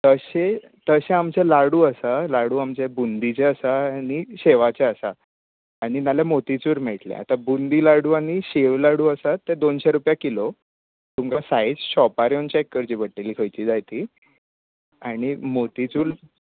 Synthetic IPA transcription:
t̪əɕe | t̪əɕeamt͡ɕelaɽuːəsalaɽuːamt͡ɕebund̪it͡ɕeəsaañiɕeʋat͡ɕeəsa | aɽ̃inalemot̪it͡suːɾmɛʈlḛa̰t̪abund̪iːlaɽuːaɽiɕeʋlaɽuːəsat̪ːed̪onɕɛɾupjakilo | t̪umkasajd͡zɕɔpaɾeont͡ɕeekːəɾt͡ɕiːbəʈːelikʰəjt͡ɕiːd͡zajt̪iː | aɽ̃imot̪it͡suːɾ

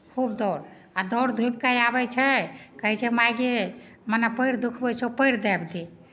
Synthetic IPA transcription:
kʰubd̪ɔɽ | ad̪ɔwɽd̪ʱubkajabɛt͡ʃʰɛkəɦɛt͡ʃʰɛmajɡe | mənapəjɾd̪ukʰbɛt͡ʃʰɛpəjɾd̪ɛbd̪i

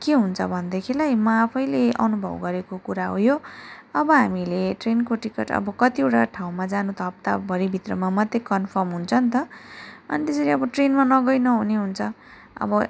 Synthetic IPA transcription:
keɦunt͡sʰʌbʱʌnd̪ekʰilajmʌapʰʌjleʔʌ̰nubʱʌ̰bɡʌɾekokuɾaɦojoʌbʌɦamileʈrenkoʈikeʈʌ̰bʌkʌt̪ieʈaʈʰaw̃mad͡zanut̪ʌp̚t̪abʱʌɾibʱit̪rʌmamʌt̪ːekʌnpʰʌrmɦunt͡sʰʌnt̪ʌʌ̰nit̪esʌɾiʌbʌʈrenmanʌɡʌjnʌɦuneɦunt͡sʰʌ | ʌ̰bʌ

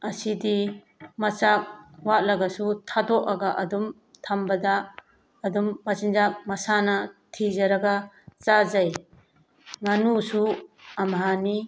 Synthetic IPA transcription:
ɐsidi | mɐt͡ʃak̚wat̚lɐɡɐsutʰadɔkɐɡaʔɐdum | tʰambɐdaː | dumːɐsinzak̚mɐsanɐtʰizɐɾɐɡa | t͡ʃazaj | ŋanusuɐmɦani

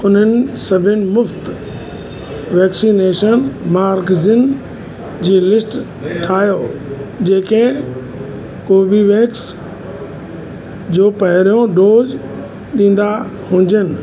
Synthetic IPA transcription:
ʊn̤ənɪ̆sɐbʱɪnɪ̆mʊft̪ | ʋɛːksineːʃənmaːɾɡzɪn | d͡ʑiːlɪsʈ | ʈʰaːjoːd͡ʑeːkẽ | koːbiʋẽːks | d͡ʑoːpɐɦɪɾijõɖoːd͡ʑ | ɗĩːn̆d̪ahʊ̃ːɲd͡ʑənɪ̆

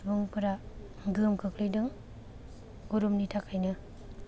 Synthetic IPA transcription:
bɯŋpɯɾa | ɡɯmkʰɯklɯjdɯŋ | ɡuɾumnitʰakʰajnɯ

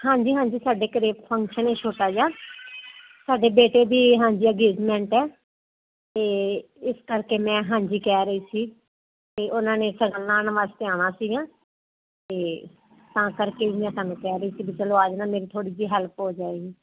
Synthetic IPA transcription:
hãːɲd͡ʒiːɦãːɲd͡ʒiːsaːɖeːkəɾeːpʰəŋkʃəneːʃʰoːʈaːd͡ʒaː | saːɖeːbeːʈeːbiːɦãːɲd͡ʒiːəɡeːɖmɛ̃ːɳʈɛː | t̪eː | ɪskəɾkeːmɛ̃ːɦãːd͡ʒiːkɛːɾəiːsiː | t̪eːʔʊnãːneːsəɡəlːaːnəʋaːst̪ɪaːɽ̃aːsiːɡãː | t̪eː | t̪ãːkəɾkeːbimɛ̃ːsãːnũːkɛːɾəiːsiːbit͡ʃəloːaːd͡ʒnãːmeːɾiːt̪ʰoːɽiːd͡ʒiːɦɛlpɦoːd͡ʒaːeɡiː

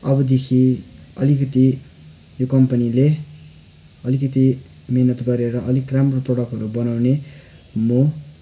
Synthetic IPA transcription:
ʌbʌd̪ekʰiʌlikʌt̪i | jokʌmpʌnile | ʌlikʌt̪i | menʌt̪ɡʌɾeɾʌʔʌlikramroprʌɽʌkɦʌɾubʌnawne | mo

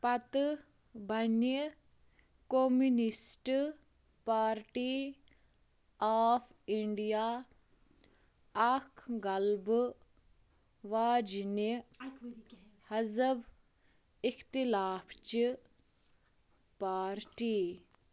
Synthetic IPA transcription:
pɐt̪ | bʱɐnə | komunisʈ | paːɾʈiː | aːpʰiɳɖijaː | ɐkʰɡɐlb | ʋaːd͡ʒini | hɐzəb | ixt̪ilaːpʰt͡ʃi | paːɾʈiː

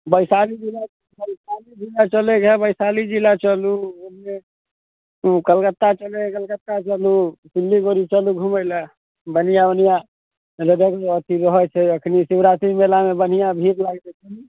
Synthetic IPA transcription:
bəɪsalid͡ʒila | bəsalid͡ʒilat͡ʃəlɛkɛbəɪsalid͡ʒilat͡ʃəluunme | ukəlkət̪ːat͡ʃəlɛkəlkət̪ːat͡ʃəlusilːiɡoɾit͡ʃəluɡʱuməlɛ | bənijabənija | ɾəd̪ekət̪ʰiɾəɦət͡ʃʰɛəkʰnisibɾat̪imelamebən̤ijabʱiɾlaɡt̪ɛt͡ʃʰi

